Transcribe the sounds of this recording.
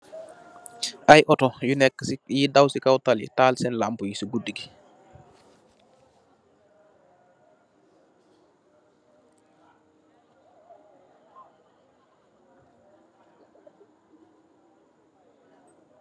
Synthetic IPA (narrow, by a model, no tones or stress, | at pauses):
ʔajʔɔtɔjunɛkːəsjidawsikawtalḭtaːlsɛnlampujisiɡudiɡi